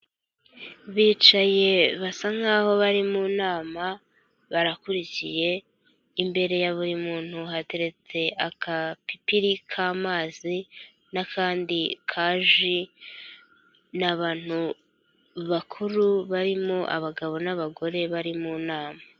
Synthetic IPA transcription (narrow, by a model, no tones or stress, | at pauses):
βiːt͡ʃaje̞βasaŋ̥aːho̞βaɾimunaːma | βaɾakuɾicije̞ː | mbe̞ɾe̞jaβuɾimuːn̥huɦate̞ɾe̞t͡se̞ʔakapipiɾikʰaːmaːzi | nakʰaːndikʰaːʒi | naβaːn̥hu | βakʰuɾuβaɾimo̞ʔa̰βaɡaβo̞naβaɡo̞ɾe̞βaɾimuːnaːma